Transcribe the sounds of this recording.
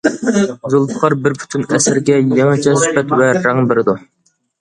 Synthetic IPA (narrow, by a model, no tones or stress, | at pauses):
zʊlˠpʰə̥qʰɑɾbɪɾpʰy̥t̪ʰynɛsɪɾɡʲɛjɛŋɑt͡ʃʰɛsy̥pɛt̪wɛɾæŋbɪɾɪd̪u